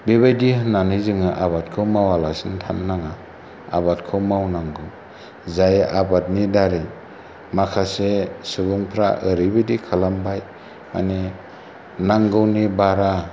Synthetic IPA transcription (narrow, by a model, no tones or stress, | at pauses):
beβajdihɯnːanizɯŋɯʔaβat̚kʰɯmawalasintʰanːaŋa | a̰bat̚kʰɯmawnaŋɡɯw | zajʔabat̚nidaɾij | makʰasesubuŋpʰɾa̰ʔɯɾibɯdikʰalambaj | ma̰ne | naŋɡɯwnibaɾa